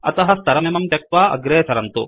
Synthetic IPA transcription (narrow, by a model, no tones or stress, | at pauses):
ɐ̰t̪ɐɦɐ̆st̪ɐɾɐmemɐmt̪jɐk̚ʋaːʔɐ̰ɡɾeːsɐɾɐnt̪u